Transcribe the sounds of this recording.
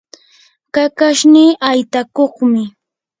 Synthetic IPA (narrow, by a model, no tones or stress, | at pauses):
kakaʃniːʔajt̪akoχmɪ